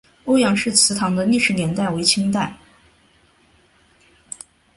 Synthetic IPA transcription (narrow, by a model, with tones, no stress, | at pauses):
o˥ʊjɑ˧˥ŋʂɻ̩˥˩t͡sʰɹ̩˧˥t̪ʰɑ˧˥ŋd̪ə˧li˥˧ʂɻ̩˥˩njɛ˧˥nt̪a˥˩ɪwe˧˥ɪt͡ɕʰi˥ŋt̪a˥˩ɪ